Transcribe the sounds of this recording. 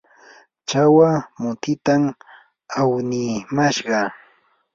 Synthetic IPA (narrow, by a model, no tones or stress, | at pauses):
t͡ʃawamʊt̪ɪt̪am | awnɪmaʃɢɑ